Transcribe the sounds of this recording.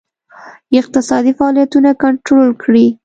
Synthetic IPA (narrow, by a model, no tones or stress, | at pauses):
ɪq̚t̪ɪsɑd̪ifaɑlijat̪unakaɳʈɾolkɽi